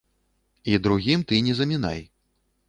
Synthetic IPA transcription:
id̪ɾuɣʲimt̪ɨnʲɛzɐmʲina̰j

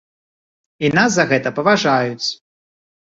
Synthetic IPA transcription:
inas̬zɐɣɛt̪ɐpɐvaʐajut͡sʲ

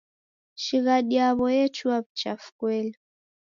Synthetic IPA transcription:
ʃiɣaɗiaβɔjɛt͡ʃuaβ̩t͡ʃafu̥kwɛlɛ

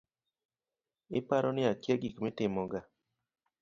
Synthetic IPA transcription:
ɪpaɾɔnɪakjeɡikmɪtɪmɔɡa

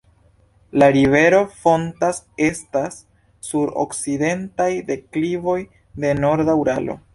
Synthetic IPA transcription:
laɾive̞ɾo̞fo̞ntas | e̞stasː | uɾo̞̰kside̞ntajde̞klivo̞j | de̞no̞ɾdauɾalo̞̰

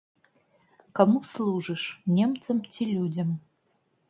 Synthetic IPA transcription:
kɐmuslˠuʐɨʂnʲemt̪səmtʰʲilʲudʲəm

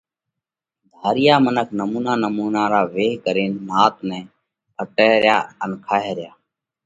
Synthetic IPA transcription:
d̪ʱaːɾɪjaːmənəkʰnəmuːnaːnəmuːnaːɾaːʋeːɦkəɾeːnːaːt̪nɛ̃ː | pʰəʈeːɾjaːənkʰaːɦeːɾɪjaː

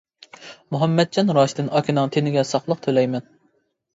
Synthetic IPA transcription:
muɦɛmːɛt̪̚d͡ʒɑnɾɑːʃd̪ɪnɑkʲʰinɨŋt̪ʰenɪɡʲɛsɑχlˠəq̚t̪ʰølɛjmɛn

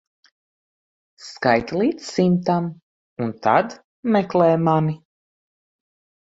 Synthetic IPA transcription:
skajt̪lˠiːt̪ssimt̪am | unt̪ad̪ | mɛklˠɛːmani

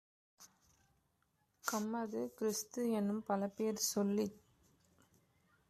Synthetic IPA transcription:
kɐmːɐðɯkɪɾɪst̪ɯɛnːɯmpɐlɐpeːɾsɔlːi

